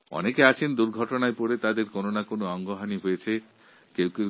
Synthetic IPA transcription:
ɔ̰nekeat͡ɕʰend̪uɾɡʱɔʈonaepoɾet̪ad̪eɾkononakonoɔŋɡoɦaniɦojet͡ɕʰe | kewke

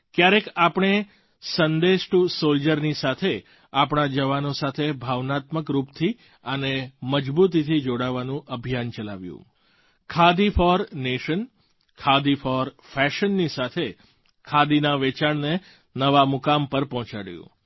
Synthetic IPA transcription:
kjaɾekapɳ̃e | sənd̪eʃʈusold͡ʒəɾnisat̪ʰe | apɳ̃ad͡ʒəʋanõsat̪ʰebʱaʋnat̪məkɾupt̪ʰi | əneməd͡ʒbut̪̬it̪ʰid͡ʒoɽaʋanũʔəbʱijant͡ʃəlaʋjṵ̃ | kʰad̪ifɔɾneʃən | kʰad̪ifɔɾ | fɛʃənːisat̪ʰe | kʰad̪inaʋet͡ʃaɳne | nəʋamʊkampəɾpɔ̃ɦt͡ʃaɽjṵ̃

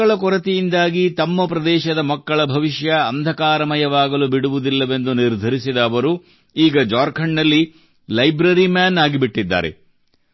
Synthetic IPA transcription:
ɐɭɐkɔɾɐt̪ijind̪aːɡit̪ɐmːɐpɾɐd̪ɛːʃɐd̪ɐmɐkːɐɭɐbʱɐʋiʃjɐɐnd̪ʱɐkaːɾɐmɐjɐʋaːɡɐlubiɽuʋud̪ilːɐʋe̞nd̪uniɾd̪ʱɐɾisid̪ɐːʋɐɾu | iːɡɐd͡ʒaːɾkʰɐɳːɐlːi | lɐjbɾɐɾimjaːnaːɡibiʈːid̪ːa̰ːɾe̞̰

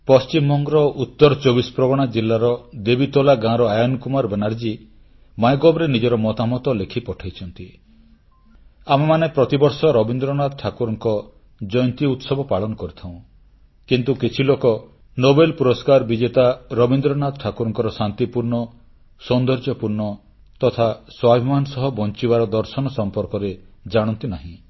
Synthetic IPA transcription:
pɔst͡ʃimːɔŋɡɔɾɔut̪ːɔɾɔt͡ʃobispɾɔɡɔɽ̃ad͡ʒilːaɾɔd̪ebit̪ɔlaɡãɾɔajɔnɔkumaɾbenaɾd͡ʒi | majɡɔbɾenid͡ʒɔɾɔmɔt̪amɔt̪ɔlekʰipɔʈʰajt͡ʃʰɔnt̪i | amemanepɾɔt̪ibɔɾsɔɾɔbind̪ɾɔnad̪ʈʰakuɾɔŋkɔ | d͡ʒɔjɔnt̪iut̪sɔbʱɔpaɭɔnɔkɔɾit̪ʰaw̃ | kint̪ukit͡ʃʰilokɔ | nobelpuɾɔskaɾbid͡ʒet̪aɾɔbind̪ɾɔnad̪ʈʰakuɾɔŋkɔɾɔsant̪ipuɾɳɔ | sɔnd̪ɔɾd͡ʒɔpuɾɳɔ | t̪ɔt̪ʰaswabʱimanɔsɔɦɔbɔnt͡ʃibaɾɔd̪ɔɾsɔnɔsɔmpɔɾkɔɾed͡ʒaɽ̃ɔnt̪inaɦĩ

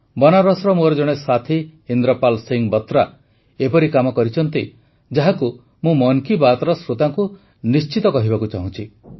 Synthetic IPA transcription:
bɔnaɾɔsɾɔmuɾɔd͡ʒɔɽ̃esat̪ʰihind̪ɾɔpalsiŋbɔt̪ɾa | epɔɾikamɔkɔɾit͡ʃʰɔnt̪i | d͡ʒaɦaku | mũmɔŋkibat̪ɾɔsɾot̪aŋku | nist͡ʃit̪ɔkɔɦibakut͡ʃaɦũt͡ʃʰi

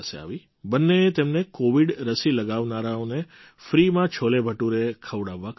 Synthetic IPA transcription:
sḛa̰ʋi | bənːeːt̪emnekoʋiɽɾəsiləɡaʋnaɾaone | fɾimãt͡ʃʰolebʱəʈuɾekʰəʋɽaʋːak

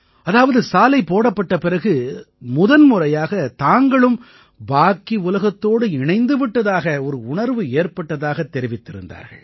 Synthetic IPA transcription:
ɐðaːʋɐðɯsaːlɐɪpːoːɽɐpːɐʈːɐpɪɾɐɣɯ | mʊðɐnmʊrɐjaːɣɐt̪aːŋɡɐɭɯm | baːkiʊlɐɣɐt̪ːoːɽɯɪɳɐɪnd̪ɯʋɪʈːɐðaːɣɐɔɾɯʊɳɐɾʋɯeːɾpɐʈːɐðaːɣɐt̪ːɛɾɪʋɪt̪ːɪɾɯ̰nd̪a̰ːɾɣɐ̰ɭ

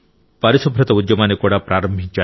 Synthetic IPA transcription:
paɾisɔbʱɾet̪ɔudjɔmanekɔɽapɾaɾɔmbʱit͡ʃa

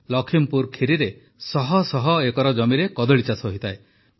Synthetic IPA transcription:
lɔkʰimpuɾkʰiɾiɾe | sɔɦɔsɔɦɔekɔɾɔd͡ʒɔmiɾekɔd̪ɔɭit͡ʃasɔɦit̪ʰae

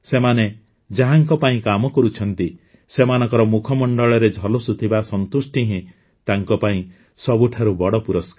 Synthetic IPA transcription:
semane | d͡ʒaɦaŋkɔpaĩkamɔkɔɾut͡ʃʰɔnt̪i | semanɔ̃ŋkɔɾɔmukʰɔmɔɳɖɔɭɔɾed͡ʒʱɔlosut̪ʰibasɔnt̪usʈiɦĩ | t̪aŋkɔpaĩ | sɔbuʈʰaɾubɔɽɔpuɾɔskaɾ

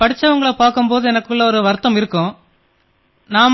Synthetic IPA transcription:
pɐɽɪt͡ʃːɐʋɐŋɡɐɭɐpaːkɯmpoːðɯɛnɐkːɯɭːɐɔɾɯʋɐɾt̪ːɐmɪɾɯkːɯ̃ | naːm

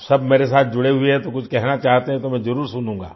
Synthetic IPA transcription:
sɐbmeːɾes̬aːt̪̚ʰd͡ʒʊɽeɦʊeɦɛ̃t̪okʊt͡ʃʰkɛɦnat͡ʃaːɦt̪eɦɛ̃t̪omɛ̃zɐɾuːɾsʊnũːŋɡa̰ː

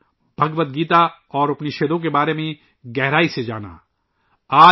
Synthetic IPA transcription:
b̥ʱɐɡʋət̪̚ɡiːt̪aɔːɾɐpniʃeːd̪õk̬ebaːɾemẽ | ɡɛɦɾaːised͡ʒa̰ːna̰ | aː

